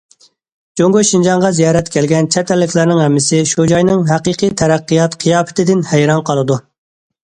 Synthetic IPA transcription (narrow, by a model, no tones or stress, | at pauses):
d͡ʒoŋɡoʃind͡ʒɑŋʁɑzijɑːɾɛt̪kʲʰɛlɡʲɛnt͡ʃʰɛt̪ʰɛlːɪkʲlɪɾnɪŋɦɛmːɪsɪʃud͡ʒɑjnɨŋɦæqiqʰijt̪ʰɛɾɛqːijɑt̪qʰɨjɑːpɪ̥t̪ʰɪd̪ɪnhɛjɾɑnqʰɑlˠɨd̪u